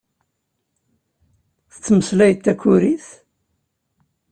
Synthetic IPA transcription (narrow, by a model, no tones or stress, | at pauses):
θət͡sːməslæjət̪ːækːʊɾiθ